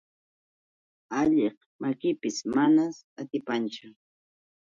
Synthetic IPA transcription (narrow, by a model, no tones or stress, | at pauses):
aʎeχ | makɪpɪsmanasat̪ɪpant͡ʃʊ